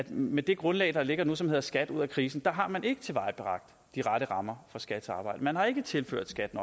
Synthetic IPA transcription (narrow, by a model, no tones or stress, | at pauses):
æd̥med̥e̝ɡ̥ʁɔ̽nlɛ̰ɪd̥ɑ̈le̝ɡ̥ɐnusɒmhe̝ðˠɐsɡ̥æd̥uð̞̰ˠækʰʁiːsn̩d̥ɑ̈ɦɑ̈mænʔe̝ɡ̥ət͡sʰe̝ʋɑ̈ɪb̥eʁɑ̈ɡ̥̚d̥ | d̥iʁɑɾəʁɑ̈mɐfɒ̽sɡ̥æd̥sɑ̈ːb̥ɑ̈ɪ̰dəmænɦɑ̈e̝ɡ̥ət͡sʰe̝lfø̰ɐ̰d̥sɡ̥æd̥nɒ̽